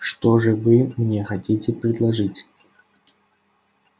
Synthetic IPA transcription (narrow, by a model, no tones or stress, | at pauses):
ʂt̪ɔʐɨvɨmnʲexɐtʲitʲɪpɾʲɪd̪lˠɐʐɨtʲ